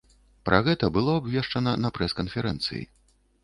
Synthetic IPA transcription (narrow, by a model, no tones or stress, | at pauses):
pɾʔɐɣɛt̪ɐbɨlˠɔabvʲɛʂt͡ʂɐnɐnɐpɾɛskɐnfʲɛɾɛ̰nt̪sɨ̰jḭ